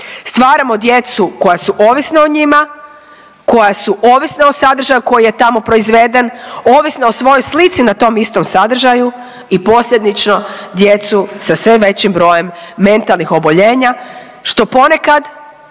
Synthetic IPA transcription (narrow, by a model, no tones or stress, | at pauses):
st̪ʋaːɾamo̞d̪je̞t̪suko̞jasuʔo̞ːʋisnaoɲima | ko̞jasuʔoːʋisnaosad̪r̩ʒajuko̞jije̞t̪amo̞pɾo̞izʋed̪enoːʋisnaosʋo̞jojslit̪sinat̪o̞mist̪o̞msad̪r̩ʒaju | ipo̞sʎe̞d̪nit͡ʃno̞d̪je̞t̪susasʋeʋe̞t͡ɕimbɾo̞je̞mːe̞nt̪alˠnixo̞bo̞ʎe̞ːɲa | ʃt̪o̞po̞ne̞kad̪